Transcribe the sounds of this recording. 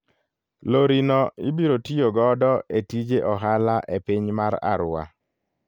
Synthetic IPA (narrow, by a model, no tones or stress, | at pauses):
loɾinɔɪbiɾotijoɡɔdɔʔetid͡ʒeʔɔɦalaʔepiɲmaɾa̰ɾa̰